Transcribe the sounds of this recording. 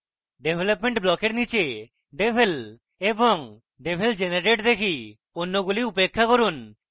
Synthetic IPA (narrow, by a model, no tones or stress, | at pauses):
ɖebʱelopmeɳʈblɔkeɾnit͡ɕe | ɖebʱel | eboŋ | ɖebʱeld͡ʒenaɾeʈd̪ekʰi | onːoɡuliupekʰːakoɾun